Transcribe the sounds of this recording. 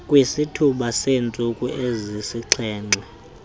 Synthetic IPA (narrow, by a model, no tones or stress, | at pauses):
kʼwisitʰuɓasent͡sʼukʼuʔezisiǀʰɛːŋ͡ǀʱɛ